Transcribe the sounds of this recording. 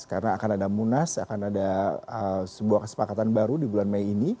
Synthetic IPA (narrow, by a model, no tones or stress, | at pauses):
kaɾənaːkanadamunasa̰kanadaəsəbuahkəsə̥pakat̪anbaɾudibulanmajini